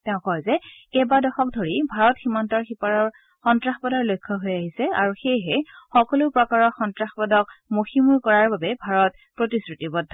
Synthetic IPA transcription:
tɛʊ̃kɔjzɛɛbadɔxɔk̚dʱoɹibʱaɹɔtximɔntɔɹxipaɹɔɹ | xɔntɹaxpɔdaɹlojkʰːɔɦojaɦisɛa̰ɹuxejɦɛxɔkɔlʊpɹɔkaɹɔxɔntɹaxpɔdɔk̚moximuɹkɔɹaɹbabɛbʱaɹɔt̚ | pɹotisɹutibɔdʱːɔ

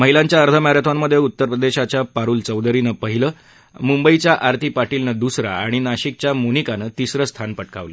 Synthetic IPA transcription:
məɦilãɲt͡ɕjaəɾt̪ʰəmaɾjət̪ʰamːəd̪ʱːjeut̪ːəɾpɾəd̪eɕat͡ɕjapaɾuːlt͡səwd̪əɾinəpəɦiləː | mumbəit͡ɕjaʔaɾt̪ʰiːpaʈilnəd̪usɾa̰a̰ɽ̃inaɕik̚t͡ɕjamonikanət̪isɾəst̪ʰanpəʈka̰ʋlə

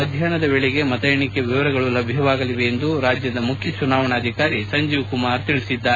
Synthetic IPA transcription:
ɐd̪ʱjaːnɐd̪ɐbeɭɛɡe̞mɐt̪ɐjɐɳikeʋiʋɐɾɐɡɐɭulɐbʱjɐʋaːɡɐliʋe̞jend̪uɾaːd͡ʒjɐd̪ɐmukʰjɐt͡ʃunaːʋɐɳaːd̪ʱikaːɾisɐɲd͡ʒiːʋkumaːɾt̪iɭisid̪ːaːe

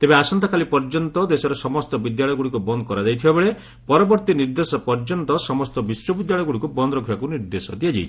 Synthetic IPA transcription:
t̪ebeasɔnt̪akalipɔɾd͡ʒɔnt̪ɔd̪esɔɾesɔmɔst̪ɔbid̪jaɭɔjɡuɽikubɔnd̪ɔkɔɾad͡ʒajt̪ʰibabeɭe | pɔɾɔbɔɾt̪iniɾd̪esɔpɔɾd͡ʒɔnt̪ɔsɔmɔst̪ɔbiswɔbid̪jaɭɔjɡuɽikubɔnd̪ɾɔkʰjakuniɾd̪esɔd̪iad͡ʒajt͡ʃʰi̥

